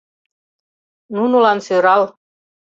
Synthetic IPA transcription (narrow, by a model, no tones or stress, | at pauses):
nunulɑnsøɾɑl